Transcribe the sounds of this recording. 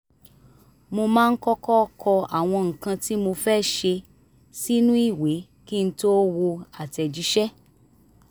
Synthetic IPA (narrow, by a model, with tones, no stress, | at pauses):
mo˧mãː˦˧n̩˦kɔ˦kɔ˦kʰɔ˧a˨w̃ɔ̃˧ŋ̩˨kã˧ti˦mo˧fɛ˦˨ʃe˧ | si˦nũ˦i˦˨we˨˦ | ki˦n̩˦to˦wo˧a˨tɛ˨d͡ʒi˨˦ʃɛ˦